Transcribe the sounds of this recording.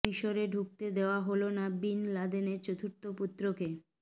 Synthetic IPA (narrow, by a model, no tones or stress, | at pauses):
iʃoɾeɖʱuk̚t̪ed̪eoaɦolonabinlad̪eneɾt͡ɕot̪ʰuɾt̪oput̪ːɾoke